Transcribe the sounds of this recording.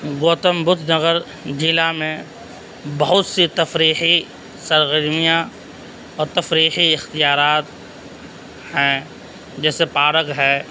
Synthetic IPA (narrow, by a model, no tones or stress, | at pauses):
ɡoːt̪əmbʊt̪ʰnəɣəɾ | d͡ʒɪlamẽ | bɐɦʊt̪sit̪ɐfɾiːɦi | sɐɾɣəɾmijã | ɔːɾt̪ɐfɾiːɦiɪxt̪ijaːɾaːt̪ | hɛ̃ | d͡ʒɛːsepaːɾəkɦɛː